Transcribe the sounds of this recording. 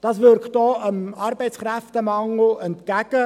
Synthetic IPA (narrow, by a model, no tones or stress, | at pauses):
d̥ɑːsʋʏɾktdɔːəmɑɾbɛɪt͡sχɾæftəmɑŋl̩ɛntkæɡ̥ə